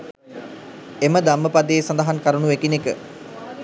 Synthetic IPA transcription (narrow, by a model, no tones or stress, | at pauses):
eməd̪amːəpad̪eːsand̪aɦankaɾənuekinekə